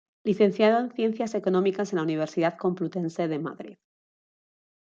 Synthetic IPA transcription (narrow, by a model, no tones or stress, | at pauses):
liθẽ̞n̟θjaðoenθje̞n̟θjaseko̞nõmikasenlauniβ̞e̞ɾsiðaðkomplut̪ense̞ðe̞ma̰ðɾḭð